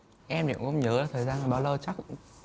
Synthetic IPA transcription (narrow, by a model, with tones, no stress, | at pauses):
ʔɛ˧mɗḭ˧˨ə˨ŋʔŋ͡mɲəː˨˦laː˨˩t̪ʰəː˨˩jzaː˧nə˨˩ɓaː˨˧˩wlə˧wt͡ɕa˦˥k̚